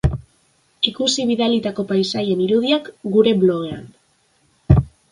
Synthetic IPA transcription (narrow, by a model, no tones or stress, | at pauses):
ikusiβ̞iðalit̪ako̞pajsaje̞niɾuð̞iakɡuɾe̞βlo̞ɣe̞a̰n